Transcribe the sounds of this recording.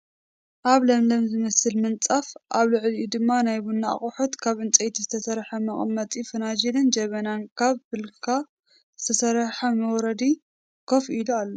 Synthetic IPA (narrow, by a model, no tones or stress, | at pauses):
ʔaβlɐmlɐmzɨmɐsɨlmɨnt͡sʼafʔaβlɨʕlud̪ɨmːanajbunːa̰χʼʊħot̪kʰaβɨnt͡sʼɐjt̪ʰizɨt̪ʰɐsɐɾħɐmɐχʼmːɐt̪ʼifɨnad͡ʒilɨnd͡ʒɐβɐnankʰaβbɨlkʰa | zɨt̪ʰɐsɐɾħamɐwɔɾɐd̪i | kʰofilualːo